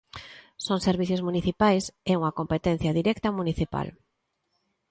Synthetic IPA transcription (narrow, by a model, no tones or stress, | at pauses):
soŋseɾβ̞iθjozmuniθipajseuŋɐkompet̪ɛn̟θjɐðiɾɛkt̪ɐmuniθipa̰l